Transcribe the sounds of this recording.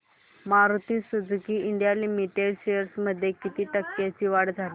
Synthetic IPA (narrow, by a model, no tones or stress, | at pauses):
maɾut̪iːsud͡zʱkiːiɳɖijalimiʈeɽɕejəɾsməd̪ʱːjekit̪iːʈəkːjat͡ɕiːʋaɽd͡zʱaliː